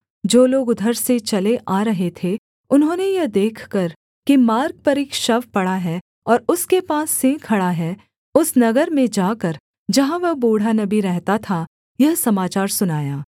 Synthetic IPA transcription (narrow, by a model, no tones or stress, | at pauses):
d͡ʒoːloːɡʊd̪ʱəɾset͡ʃɐleʔaːɾɐɦet̪ʰe | ʊnɦõːnejɐd̪eːkʰkɐɾ | kimaːɾɡ̚pɐɾɪkʃɐʋpɐɽaɦɛː | ɔːɾʊskepaːsːẽkʰɐɽaɦɛ | ʊsnɐɡəɾmẽd͡ʒaːkɐɾ | d͡ʒɐɦãʋɐɦboːɽ̤anɐbiɾɛɦt̪at̪ʰa | jɐɦsɐmaːt͡ʃaːɾsʊnaːjaː